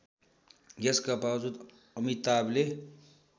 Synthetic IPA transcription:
ɡeskapawzud̪ | əmit̪aːble

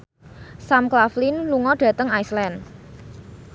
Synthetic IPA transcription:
samklaflinluŋɔɖ̥ä̤t̪əŋajslɛn

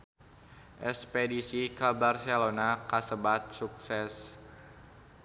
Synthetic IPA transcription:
ʔɛspedisikabarselonakasəbat̪̚suk̚sɛs

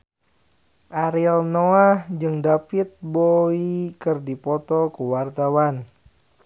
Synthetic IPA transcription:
ʔaɾiɔlnoahd͡ʒɨŋdapit̪̚boikɨrdipɔt̪ɔkuwart̪awan

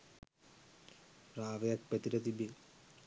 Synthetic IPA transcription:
raːʋɐjɐk̚pet̪iɾɐt̪ibi

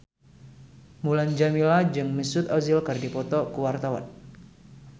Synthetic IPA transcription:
muland͡ʒamilad͡ʒɨŋməsut̪azilkɨrdipɔt̪ɔkuwart̪awa̰n

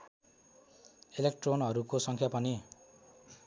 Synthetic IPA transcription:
elekʈronʌɾukosʌŋkʰjapʌni

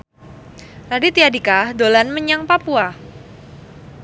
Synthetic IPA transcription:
radit̪iadikahdolanməɲaŋpapua

